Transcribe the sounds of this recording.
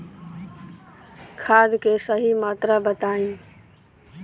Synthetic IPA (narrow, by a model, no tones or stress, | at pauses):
kʰaːd̪keːsəɦiːmaːt̪ɾaːbət̪aːĩː